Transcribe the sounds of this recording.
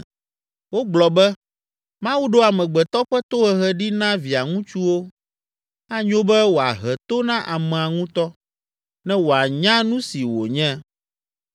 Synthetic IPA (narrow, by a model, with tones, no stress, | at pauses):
wo˦ɡ͡blɔ˨bɛ˦ | mã˦wu˦ɖo˦a˨mɛ̃˨ɡ͡bɛ˨t̪ɔ˦ɸɛ˦t̪o˦ɦɛ˨ɦɛ˦ɖi˦nã˦vi˨a˨ŋũ˦t͡ʃu˦wo˦ | a˦ɲõ˦bɛ˦wo˨a̰˨ɦɛ˨t̪o˦nã˦ʔa˨mɛ̃˨a˨ŋũ˦t̪ɔ˦ | nɛ̃˦wo˨a˨ɲã˦nũ˦si˨wo̰˨ɲɛ̃˦